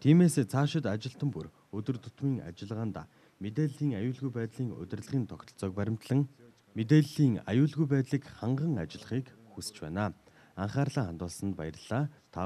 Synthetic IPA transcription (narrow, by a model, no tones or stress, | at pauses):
t̪ʰiːmeːset͡sʰaːʃɪ̆t̪at͡ɕɪ̆ɬt̪ə̆mpur | ɵt̪ɵ̆rt̪ʊt̪miːŋa̰t͡ɕɪ̆ɮʁaːnt̪a̰ | met̪eːɮiːŋajʊːɮɣujpæːt̪ɮiːŋɵ̰t̪ʲɪ̆rɮ̆ʁiːnt̪ʰɔkt̪ʰɞ̆ɮt͡sœːk̚pæɾʲɪ̆m̥t̪ɮə̆ŋ | met̪eːɮiːŋa̰jʊːɮɣujpæːt̪ɮiːkχaɴɢə̆ŋat͡ɕɪ̆ɮ̆χiːk | xust͡ɕpæ̰ːnaː | aɴχaːrɮaːχant̪ʊːɮsə̆nt̪pa̰jərɮ̥aːt̪ʰa